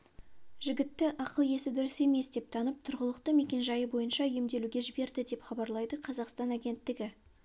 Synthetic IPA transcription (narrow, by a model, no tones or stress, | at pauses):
ʒɪɡʲɪt̪ːɪʔɑqəlˠje̞sɪd̪ʏɾɪse̞me̞sd̪e̞p̚t̪ʰɑnəp̚t̪ʰʊɾʁəlˠəq̚t̪əme̞kʲe̞nʒɑjəbo̞jənʃɑjemd̪e̞luɡʲe̞ʒɪbe̞ɾd̪ɪd̪e̞pχɑbɑɾlˠɑjd̪əqʰɑzɑqst̪ɑnæɡʲe̞nt̪ːɪɡʲɪ